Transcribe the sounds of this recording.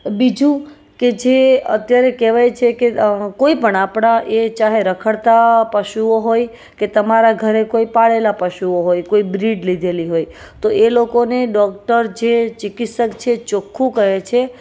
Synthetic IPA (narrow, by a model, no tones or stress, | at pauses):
bid͡ʒũ | ked͡ʒeə̰t̪jaɾekeʋajt͡ʃʰekekoipəɳapɳaʔet͡ʃaɦeɾəkʰəɽt̪apəʃuoɦoj | ket̪əmaɾaɡʱəɾekoipaɭelapəʃuoɦojkoibɾiɖlid̪ʱeliɦoj | t̪oʔelokoneɖɔk̚ʈəɾd͡ʒet͡ʃɪkit̪səkt͡ʃʰet͡ʃokʰːũkəɦet͡ʃʰe